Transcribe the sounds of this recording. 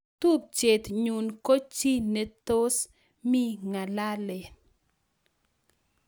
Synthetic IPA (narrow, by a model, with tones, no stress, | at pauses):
t̪u˦p̚t͡ʃe˨t̪ɲu˨nko˦t͡ʃi˦nɛ˨t̪o˦s | mi˦ŋa˨la˦le˨